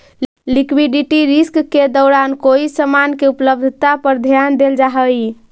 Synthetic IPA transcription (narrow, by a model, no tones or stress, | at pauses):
likwiɖiʈiɾiskːed̪ɔʊɾankoisəmankeupləb̚d̪ʱt̪apəɾd̪ʱjand̪eld͡ʒaɦəj